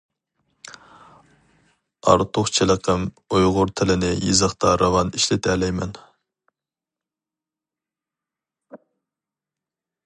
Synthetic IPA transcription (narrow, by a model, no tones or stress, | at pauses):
ɑ̰ɾt̪ʰʊχt͡ʃʰeləqʰəm | ojʁʊɾt̪ʰɪlɪnɪjizəχt̪ɑɾʔɑvɑniʃlɪt̪ʰɛlɛjmɛn